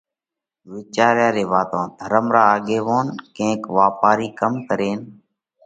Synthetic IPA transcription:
ʋiːt͡ʃaːɾjãːɾeːʋaːt̪õːd̪ʱəɾəmɾaːɠeːʋoːnkẽːkʋaːpaːɾiːkəmkəɾeːn

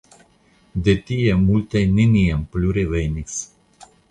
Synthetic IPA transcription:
d̪et̪ijemult̪eniniempluɾevejnis

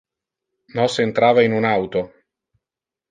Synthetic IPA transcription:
nɔsent̪ɾaːvainunawt̪o

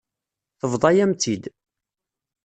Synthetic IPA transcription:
θəvðˤɑjæmt̪id̪

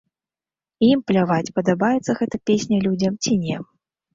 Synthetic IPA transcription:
implʲavat͡sʲpɐd̪abajɛt̪sːɐɣɛt̪ɐpʲesʲnʲɐlʲud͡zʲɐmt͡sʲinʲɛ

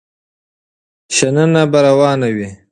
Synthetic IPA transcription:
ʃanənabaɾawɑːnawi

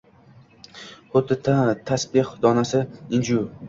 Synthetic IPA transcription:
hʊd̪ɪt̪ʰasbɪqd̪ɒnasɪɪnd͡ʒʊ

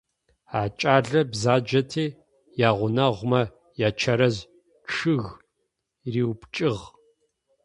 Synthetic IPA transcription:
aːt͡ʃʼaːɮɐbzaːd͡ʒɐtʰeː | jaːʁʷʊnɐʁʷmɐ | jaːt͡ʃʰɐɾɐz | ʈ͡ʂʰɨɣ | riːwpt͡ʃʼɨʁ

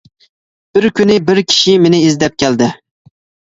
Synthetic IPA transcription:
b̥ɪɾkʲynɪbɪɾkʲʰi̥ʃimenɪizd̪ɛp̚kʲʰæld̪ɪ

